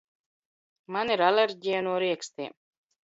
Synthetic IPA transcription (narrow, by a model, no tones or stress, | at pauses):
maniɾaleɾʲɟʲijanuɔɾiɛkst̪iːm